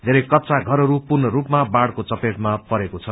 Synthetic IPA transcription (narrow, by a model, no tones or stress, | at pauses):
d̪ʱeɾʌjkʌtːt͡saɡʱʌɾʌɾupurnʌɾupmabaɽkot͡sʌpeʈmapʌɾekot͡sʰʌ